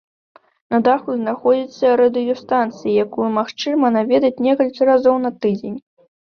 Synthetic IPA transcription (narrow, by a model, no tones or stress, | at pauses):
nɐd̪axuznaxɔd͡zʲit̪sːɐɾɐd̪ɨjɔst̪ant̪sɨjijakujumaxt͡ʂɨmɐnavʲɛd̪ɐt͡sʲnʲɛkɐlʲkʲiɾazɔwnɐt̪ɨd͡zʲenʲ